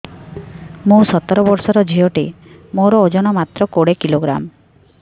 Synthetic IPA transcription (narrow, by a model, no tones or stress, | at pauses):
mũsɔt̪ɔɾɔbɔɾsɔɾɔd͡ʒʱijɔʈimoɾɔod͡ʒɔnɔmat̪ɾɔkoɽekiloɡɾa̰m